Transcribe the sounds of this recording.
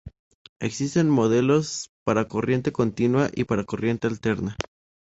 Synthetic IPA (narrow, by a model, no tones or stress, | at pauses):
e̞ksist̪e̞nmo̞ðe̞lo̞spaɾako̞rje̞nt̪e̞ko̞nt̪inwaʔipaɾako̞rje̞nt̪e̞alt̪e̞ɾna